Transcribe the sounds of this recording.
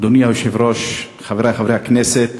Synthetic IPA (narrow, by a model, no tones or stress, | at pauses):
d̪onijauʃivɾoʃ | χaveɾaχavɾejhaknɛset̪